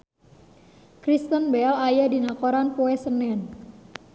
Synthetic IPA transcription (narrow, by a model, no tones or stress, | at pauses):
kɾist̪ənbɛlajadinakoɾanpoɛsənɛn